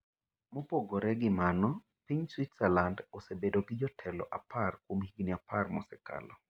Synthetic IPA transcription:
mɔpoɡɔɾɛɡɪmanɔ | piɲswit̪sɛlandɔsebedoɡɪd͡ʒɔtʰɛlɔ̰ʔaparkwomhiɡniaparmɔ̰sɛka̰lɔ

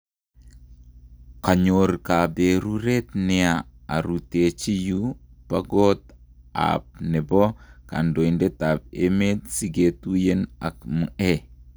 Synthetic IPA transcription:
kaɲorkabeɾuɾetnɛaaɾutet͡ʃijupaɡota̰p̚nebɔka̰ndoindetap̚emet̚siɡetujena̰kmue

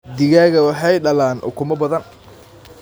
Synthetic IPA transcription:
d̪ɪɣaːɣɐwɑħɑjɖɐlaːnʔʊ̰kʰʊmɐbɐðɐn

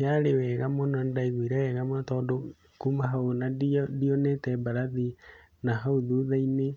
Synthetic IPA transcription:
jaɾewɛɣamonɔndaiɣwiɾawɛɣamatɔːdɔ | kumaɦaonadiɔnɛtɛbaɾaði | naɦauðuðaine

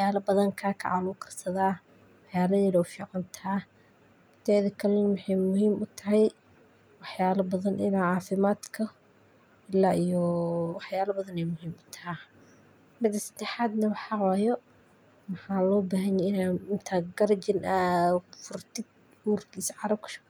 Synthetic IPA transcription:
wħjaːlɐbɐðɐŋkʰaːkʰɐ̰ʕanʊkʰɐ̥rsɐðaː | wɑħjaːlɐjɪɽɔwfiːʕɑnt̪ʰaː | t̪ʰɛːðɐkʰɐlɛnmʊħɑjmʊhiːmʊt̪ʰɐɦɛj | wɑħjaːlɐbɐðɐnʔɪ̰naʕɑːfɪmaːd̪kʰɐ | ɪlaːijɔwɑħjaːlɐbɐðɐnɛjmʊɦiːmʊt̪ʰɐ̥ɦɛ | mɪd̪ɐsɐ̥d̪̥ɛħaːd̪nɐwɑħɑwaːjɔ | mɑħaːlɔːbaːɦɐnjɛɪnaɪnt̪ʰaɡɐrd͡ʒɪnʔɐfʊrt̪ʰɪd | uːrkʰiːsʕɑɾɐb̚kʰʃ

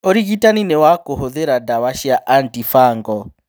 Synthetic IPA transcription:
oɾiɣitaninɛwakoɦoðeɾadawaʃiaʔantifaŋɡɔ

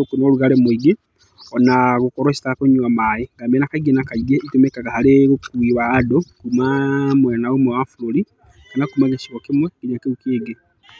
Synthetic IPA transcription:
okunoluɣalemwiɡe | onaɣukoɾoʃi̥takoɲuamajiŋɡamenakaɡenakaiɡeitumekakahaleukiβadokumamwenaomwewafuloli | kanakumaɣeʃiɣokimwekiɲakeukiːɡe

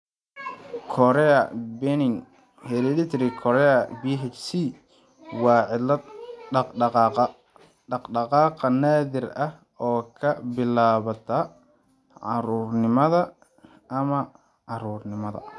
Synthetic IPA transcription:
kʰɔɾɛɐbɛnɪŋ | hɛlɪlɪt̪ʰɾikʰɔɾɛɐbiːɦɛt͡ʃsi | wɑːʕɪlɐɑqɖɑqɑːqɐ | ɖɑqɖɑqɑːqɐnaːðɪrɐh | ɔːkʰɐbɪlaːβɐt̪ʰɐ | ʕɑ̰ɾuːrnɪmɐðɐ | ʔɐmɐ | ʕɑɾuːrnɪmɐðɐ̰

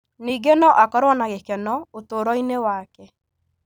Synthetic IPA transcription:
niɡenɔʔakɔɾɔnaɣekɛnɔotoɾɔinewakɛ

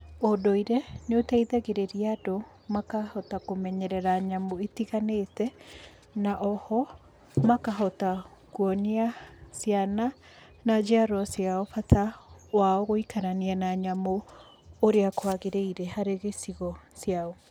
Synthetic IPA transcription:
odoiɾenotɛiðɛɣeɾeɾiado | makahɔtakomɛɲɛɾɛɾaɲamoetiɣanetɛ | naʔɔhɔ | makaɦɔtakwɔniasjana | nad͡ʑeaɾɔsjaɔfatawaɔɣoikaɾanianaɲamoː | ɾeakwaɣeɾeiɾɛhaɾeɣesiɣɔsjaɔ

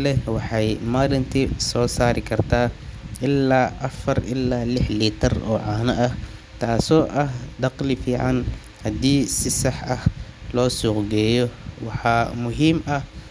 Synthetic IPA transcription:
lɛwɑħɑjmaːɾɪnt̪ʰisɔːsaːɾɪkʰɐrt̪ʰaːʔɪlːaːʔɐfɐrʔɪ̰lːaːlɪħliːt̪ʰɐrɔ̰ːʕɑːnɐʔɐh | t̪ʰaːsɔːʔɐɦd̪ɑqlɪfiːʕɑ̰n | hɐd̪iːsɪsɑħʔɐhlɔːsʊqd̪ɛːjɔwɑħɑːmʊɦiːmɐh

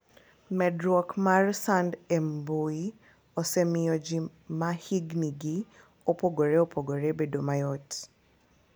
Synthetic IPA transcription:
mɛdɾɔkmaɾsandɛmboi | ɔsɛmiɔd͡ʒimahiɡniɡi | opɔɡoɾeopoɡoɾebedomajɔt

